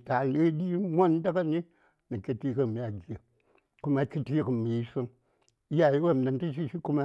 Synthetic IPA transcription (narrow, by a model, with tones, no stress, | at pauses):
ta˨lɨ˦di˦mʷo˦n˦da˦ka˦ni˦ | nɨ˨kʲi˦ti˦kɨ˨mi˨˦a˨ɡʲə˨ | ku˦ma˧kʲi˦ti˦kɨ˨mi˨˦sɨ˦ŋ˦ | ja˨ji˦wa˦˨m˨na˨ntɨ˦ʃ̬i˦ʃi˦ku˦ma˦